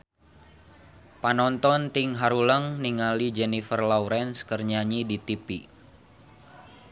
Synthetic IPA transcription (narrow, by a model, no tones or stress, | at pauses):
panɔnt̪ɔnt̪iŋɦaɾuləŋniŋalid͡ʒɛnifərlawɾɛnskərɲaɲidit̪ipḭ